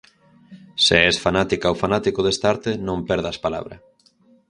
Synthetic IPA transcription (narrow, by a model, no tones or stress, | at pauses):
seɛsfanat̪ikaowfanat̪ikoðest̪aɾt̪enõmpɛɾðaspala̰βɾɐ̰